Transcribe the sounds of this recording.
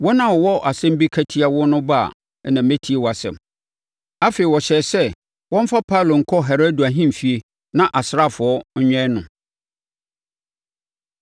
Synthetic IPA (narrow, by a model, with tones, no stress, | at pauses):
wɔ˦nã˦˨wɔ˨wɔ˦ʔa˨sɛ̃˦m̩˦bi˦kʰæ˦tʰi˦a˨wɔ˦nʊ̃˦ba̰˦˨ | nã˨m˦mẽ˦tʰi˦e˨wɔ˨a˨sɛ̰̃˨m | a˦fe˨i˨wɔ˨ɕɛ˨sɛ˦ | wɔ̃˦m̩˦fa˦pʰa˦˨lo˨ŋ̩˨kʰɔ˦ɦɛ˨ɾo˦du˨æ˨ɦĩ˦m˨fi˨e˨ | nã˦ʔa˨sɾa˦˨fʊ˨ɔ˦ɲ̩˦ɲᶣɛ̃˦nʊ̃˨